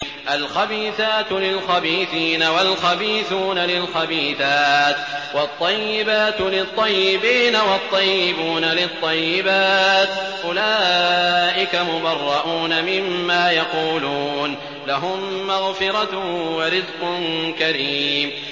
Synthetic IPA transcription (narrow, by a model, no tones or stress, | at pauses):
ʔalxabiːθaːt̪lɪlxabiːθiːnawalxabiːθuːnalɪlxabiːθaːt̪wɑt̪ˤːɑjːɪbaːt̪lɪt̪ˤːɑjːɪbiːnawɑt̪ˤːɑjːɪbuːnalɪt̪ˤːɑjːɪbaːt̪ʔʊlaːʔɪkamʊbɑrˤːɑʔuːnamɪmːaːjɑquːluːn | laɦʊmːaɣfɪɾˤɑwɑɾɪd̪qʊnkaɾiːm